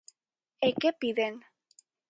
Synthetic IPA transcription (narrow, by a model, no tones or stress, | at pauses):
ekepiðen